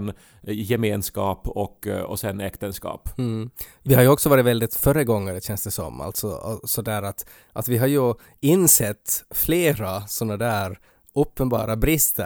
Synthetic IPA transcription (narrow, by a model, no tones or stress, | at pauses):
n | jɛmeːnskɑːpɔkːɔ̰sɛnɛkt̪ənskɑ̰ːp | vɪhaɾjɵɔksɔvɑːɾɪvɛld̪ɪt̪fœɾəɡɔŋːəɾɛɕɛnsd̪ɛsɔ̰mːa̰lt̪sɔ̰sɔd̪æːɾat̪ | ʔat̪vɪɦaɾjɵ | ɪnːsɛt̪ːfleːɾasɔnːad̪æːɾ | ʔɵpːənbɑ̰ːɾabɾɪst̪ʰə